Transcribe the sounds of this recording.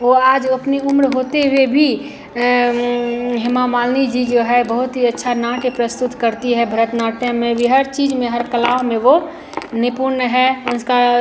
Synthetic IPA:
oaːd͡ʒəpniʊmɾɦoːt̪eɦuebʱi | ɦɪmamaːlnid͡ʒid͡ʒoɦɛbəɦʊt̪ɦiətːʃʰanaʈepɾəst̪ʊt̪kəɾt̪iɦɛbʱəɾət̪naːʈemẽʋiɦəɾt͡ʃiːd͡ʒmẽɦəɾkəlaːʋmẽʋo | nɪpuɾnɦɛʊnka

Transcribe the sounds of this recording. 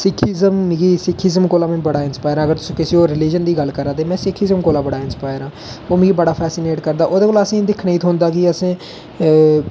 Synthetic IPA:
sɪkʰiːzəmmːɡiːsɪkʰɪzəmkoːlaːmẽːbəɽaːɪnspaːjɾãːəɡəɾt̪ʊsĩːkɪsiːoːɾɪliːd͡ʒənd̪iːɡəlkəɾaːd̪eːmɛ̃ːsɪkʰɪzəmkoːlaːbəɽaːɪnspaːjɾãːoːm̃ːɡibəɽaːpʰɛːsɪneːʈkəɾd̪aːʔoːd̪eːkoːləsĩːd̪ɪkʰnaiːt̪ʰɦõːnd̪aːkɪəsẽː

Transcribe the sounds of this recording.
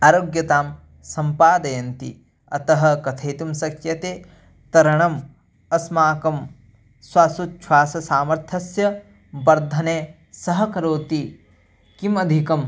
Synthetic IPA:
aːɾoːɡjɐt̪aːm | sɐmpaːd̪ɐjɐnt̪ḭ | ɐ̰t̪ɐɦɐ̆kɐt̪ʰɐjt̪umsɐkʰjɐt̪eː | t̪ɐɾɐɳɐm | ɐsmaːkɐm | swaːsut̪̚t͡ʃʰwaːsɐsaːmɐɾt̪ʰɐsjɐ | bɐɾd̪ʱɐneː | sɐɦɐkɐɾoːt̪i | kimɐd̪ʱikɐm

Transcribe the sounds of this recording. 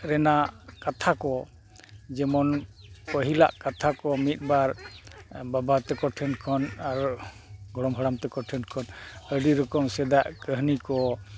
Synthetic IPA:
ɾɛnakat̪ʰakɔ | d͡ʒɛmɔnpəɦila̰ʔkat̪ʰakɔmit̪̚ˀbaɾ | babat̪ɛkɔʈʰɛnkʰɔnaɾ | ɡɔɽɔmɦəɽamt̪ɛkɔʈʰɛnkʰɔnəɖiɾɔkɔmsɛd̪aʔkəɦnikɔ

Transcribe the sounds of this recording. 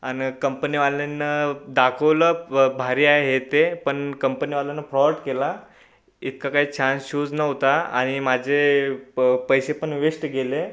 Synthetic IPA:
añkəmpəniʋalenːəd̪akʰəʋləbʱaɾiaɦeɦet̪epəɳkəmpəniʋalanːəpɾɔʈkela | it̪̚kakaɦiːt͡ɕʰãnsuːd͡znəʋt̪aa̰ɽ̃imad͡ʑʱe | pəjsepəɳʋeʂʈɡele

